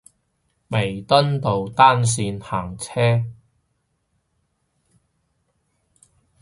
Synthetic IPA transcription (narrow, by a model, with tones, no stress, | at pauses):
me˨˩jt̪ɐ˥nt̪o˨wt̪aː˥ns̬iː˧nhaː˨˩ŋt͡sʰɛː˥